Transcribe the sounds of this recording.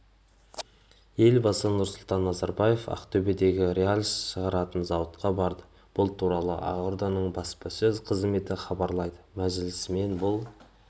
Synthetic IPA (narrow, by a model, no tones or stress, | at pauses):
je̞lbɑsənʊɾsʊlˠt̪ɑnːɑzɑɾbɑje̞fɑ̰qt̪ʰɵbe̞d̪e̞ɡʲɪɾʲealʲsʃəʁɑɾɑt̪ənzɑwət̪qɑbɑɾd̪ə | b̥ʊlˠt̪ʰuɾɑlˠə̰ʔɑ̰ʁʊɾd̪ɑnəɴbɑspɑsɵzqʰəzme̞t̪ɪχɑbɑɾlˠɑjd̪əmæʒɪlɪsme̞nbʊlˠ